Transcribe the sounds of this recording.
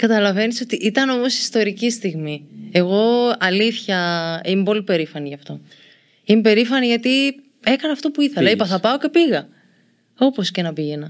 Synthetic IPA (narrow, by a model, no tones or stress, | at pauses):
kɐt̪ɐlɐveniso̞t̪iʔit̪ɐno̞mo̞si̥st̪o̞ɾicist̪iɣmie̞ɣo̞ɐliθçɐimepo̞lipe̞ɾifɐniʝɐft̪o̞ | imepe̞ɾifɐniʝɐt̪i | e̞kɐnɐːft̪opuiθelɐipɐθɐpɐo̞ce̞piɣɐ | o̞po̞scenɐpiʝe̞nɐ